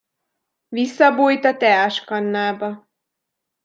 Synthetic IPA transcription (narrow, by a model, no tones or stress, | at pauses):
visːɒbuːjt̪ɒt̪ɛaʃkɒnːaːbɒ